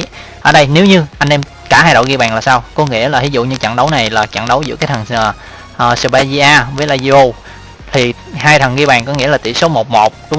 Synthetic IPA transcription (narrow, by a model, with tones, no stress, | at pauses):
ʔəː˧˩ɗə˧jne˨˦wɲɨ˧ʔa˧jnʔɛ˧m | kaː˧˩haː˧jɗo̰˧˨ɣi˧ɓaː˨˩ŋlaː˨˩saː˧wkɔ˨˦ŋḭ˧˥əlaː˨˩hi˨˦zʊ̰˧˨ɲɨ˧t͡ɕa̰˧˨ŋɗə˨˦wna˨˩jlaː˨˩t͡ɕa̰˧˨nɗə˨˦wzɨ̰˧˥kaː˨˦jt̪ʰə˨˩nː˨˩ | ʔəː˨˩sə˧˩ɓa˧jzi˧ʔaː˧vəː˨˦jlaː˧zi˧o˧ | t̪ʰi˨˩ | haː˧jt̪ʰə˨˩nɣi˧ɓaː˨˩ŋkɔ˨˦ŋḭ˧˥laː˨˩ḭ˧˩so˨˦mo˨˩t̚mo˨˩t̚ɗʊ˨˦ŋ͡m